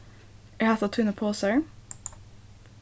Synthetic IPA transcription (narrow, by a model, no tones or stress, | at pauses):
ɛhɑːt̪ɑt̪ʰʉnəpʰoːsəɹ